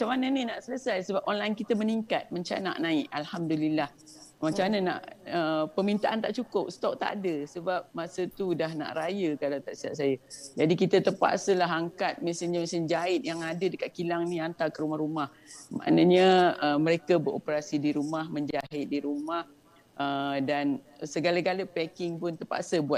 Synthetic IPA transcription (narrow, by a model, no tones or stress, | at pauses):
mat͡ʃamːanəninaʔsələsajsəbap̚ɔnlajnkit̪əməniŋkat̪̚maɲt͡ʃa̰na̰ʔnãɪʔalhamdulilah | maɲt͡ʃanəna̰ʔəpəmint̪aʔant̪aʔt͡ʃukʊp̚st̪ɔk̚t̪a̰ʔa̰dəsəbap̚masət̪udaɦna̰ʔrajəkalawt̪aʔsia̰ʔsajad͡ʒadikit̪ət̪əpa̰ʔsəlaɦaŋkat̪̚mɛsɪɲamasənd͡ʒaɪt̪̚jaŋadədəkat̪̚kilaŋniant̪akəɾumahɾumah | ma̰ʔnəɲəəməɾekabəɾo̰pəɾasidiɾumahmə̃ɲd͡ʒaɦɪt̪̚diɾumah | ədan | səɡalaɡaləpɛkɪŋpʊnt̪əpa̰ʔsəbuat̪̚